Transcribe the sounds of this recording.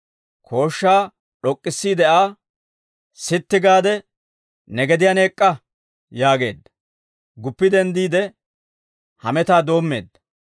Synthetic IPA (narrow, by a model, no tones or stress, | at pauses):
kʰo̞ːʃːaː | ɗɔkʼːɪsːiːd̪ɛʔaː | sɪt̪ːɪɡaːd̪ɛ | nɛɡɛd̪ɪjane̞ːkʼːɐ | jaːɡe̞̰ːd̪ːɐ̥ | ɡʊpːɪd̪ɛnd̪iːd̪ɛ | hɐ̰mɛt̪aːd̪o̞ːmːe̞̰ːd̪ːɐ